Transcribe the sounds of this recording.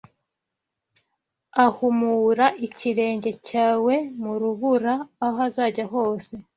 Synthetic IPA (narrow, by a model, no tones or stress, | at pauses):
ahumuːɾaʔiciɾe̞ːɲɟe̞caːwe̞muɾuβuɾaːɦazaːɟaɦo̞ːse̞